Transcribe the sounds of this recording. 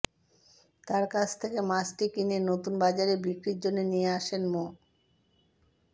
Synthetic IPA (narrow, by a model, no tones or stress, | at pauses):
t̪aɾkat͡ɕʰt̪ʰekemat͡ɕʈikinenot̪unbad͡ʑaɾebikɾiɾd͡ʑonːenijeaʃenmo